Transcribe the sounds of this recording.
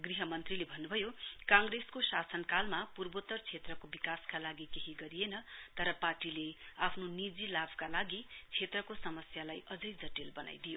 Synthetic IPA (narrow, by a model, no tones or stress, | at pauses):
ɡriɦʌmʌnt̪rilebʱʌnːubʱʌjokãŋɡreskosasʌnkalmapurbot̪ːʌrt͡sʰet̪rʌkobikaskalaɡikeɦiɡʌɾijenʌt̪ʌɾʌparʈileapʰnonid͡zilabʱkalaɡit͡sʰet̪rʌkosʌmʌsjalajʔʌd͡zʌjd͡zʌʈilbʌna̰jd̪ijo